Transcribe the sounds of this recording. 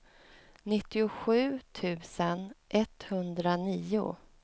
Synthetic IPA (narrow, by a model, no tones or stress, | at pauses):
nɪt̪ːɪʊɧʉ̟ːt̪ʰʉ̟ːsənʔɛt̪hɵnd̪ɾaniːʊ̰